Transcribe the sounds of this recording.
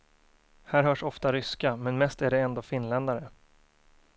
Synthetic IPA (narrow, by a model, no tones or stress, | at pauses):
hæːɾɦœːʂɔft̪aɾʏskamɛnmɛst̪æɖɛɛnd̪oːfɪnlɛnd̪aɾə